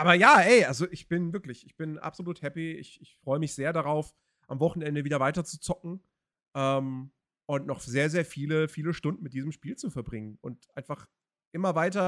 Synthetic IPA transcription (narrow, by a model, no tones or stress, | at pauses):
ʔaːbɐjaːʔɛɪʔalzoʔɪçb̥ɪnvɪɐklɪçɪçb̥ɪnʔa̰pz̥oluːthɛpiɪ̰çɪçfʁ̥ɔʏəmɪçz̥eːɐɾaʁaʊf | ʔamvɔχn̩ɛndəviːdɐvaɪtɐt͡su̥t͡sɔk̚ŋ̩ | ʔɛːm | ʔʊntnɔχz̥eːɐzeːɐfiːləfiːləʃtʊndn̩mɪt̚d̥iːzmʃpiːlt͡sufɛɐbʁɪŋənʊ̰ntʔaɪnfaχ | ʔɪmɐvaɪtɐ